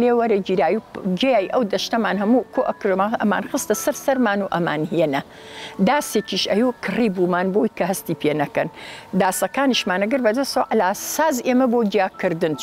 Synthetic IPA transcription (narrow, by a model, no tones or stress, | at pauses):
leːwɐɾɐd͡ʒiɾaːjid͡ʒɐjaːjʔɐwd̪ɐʃtɐmaːnɦɐmukʰoːʔɐkɾomaʔɐma̰ːnxɨst̪ɐsɐɾsɐɾmaːnuʔɐma̰ːnhijenɐ | d̪aːsekiʃɐjukʰɨriːbumaːnbowjkɐhɐst̪iːpʰeːnɐkɐnd̪aːsɐkaːniʃmaːnɐɡɐɾbɐd̪ɐst̪ɐwɐʔɐlaːsaːzʔeːmɐboːd͡ʒijaːkɨɾd̪ɨn